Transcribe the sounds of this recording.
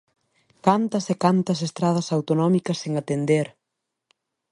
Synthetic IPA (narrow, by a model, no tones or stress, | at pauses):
kant̪ɐsekant̪ɐsest̪ɾað̞ɐsawt̪onɔmikɐseŋat̪end̪eɾ